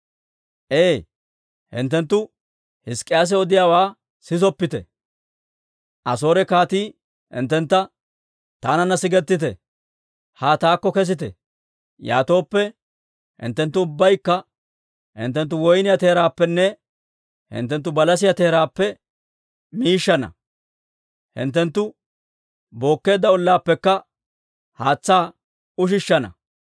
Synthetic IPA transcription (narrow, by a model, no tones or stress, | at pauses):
ʔeː | hɪ̰nt̪ːɛnt̪ːʊ | hɪskʼːɪjaːs̬ɛɔd̪ɪjaːwaː | sɪzɔpːɪt̪ɛ̰ | ʔɐso̞ːɾɛkaːt̪iː | hɪ̰nt̪ːɛnt̪ːɐ | t̪aːnɐnːɐsɪɡɛt̪ːɪt̪ɛ̰ | haːt̪aːkːɔkɛs̬ɪt̪ɛ̰ | ja̰ːt̪o̞ːpːɛ | hɪ̰nt̪ːɛnt̪ːʊʊbːɐjkːɐ | hɪ̰nt̪ːɛnt̪ːʊwɔjnɪjɐt̪e̞ːɾaːpːɛnːɛ | hɪ̰nt̪ːɛnt̪ːʊbɐlɐs̬ɪjɐt̪e̞ːɾaːpːɛ | miːʃːɐnɐ̰ | hɪ̰nt̪ːɛnt̪ːʊ | bo̞ːkːe̞ːd̪ːɐʊlːaːpːɛkːɐ | haːt͡sːaː | ʊʃ̬ɪʃːɐnɐ̰